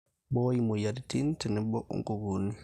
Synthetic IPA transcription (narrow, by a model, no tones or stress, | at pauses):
bɔjimɔjaditintɛnɛbɔʔṵŋɡuɡuni